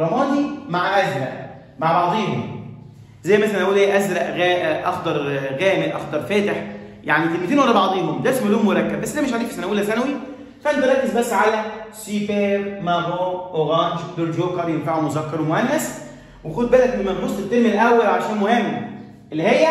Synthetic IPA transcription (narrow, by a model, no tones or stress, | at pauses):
ɾˤɑmɑːnd̪imaʕʔæzɾæ̰ʔ | maʕbɑʕd̪ˤiːɦom | zæjːmæsænlʔæʔuːlʔeːʔæzɾæʔɣæʔʔɑ̰xd̪ɑɾˤɣæːmelʔɑ̰xd̪ɑɾˤfæːt̪ɪħjaʕnit̪elmid̪iːnʔɑlːɑbɑʕd̪ˤiːɦomd̪æsmælːuhmːoɾˤækːæbbæsːd̪æːmeʃ̬ʕaʕd̪ikfi̥sænæwilːæsænæwi | fæʔænt̪eɾˤɑkːezbæsːʕalæsifeɾmævoʔoɣɑnd͡ʒd̪oɾd̪joːkɑɾˤjenfaʕumozækːɑɾˤwemohænːæs | wexud̪̚bæːlæk̪mmænfosˤt̪et̪ːelmelʔæwːælʕaʃæːnmohemː | ʔelːihejːæ